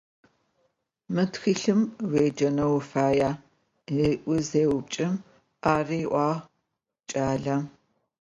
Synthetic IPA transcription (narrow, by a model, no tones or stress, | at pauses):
mɨtxiːɬɨmweːd͡ʒɐnɐwfaːjaː | iʔʷʊzeːwʊp̚t͡ʃʼɐm | aːriʔʷɑː | t͡ʃʼaːɮɐ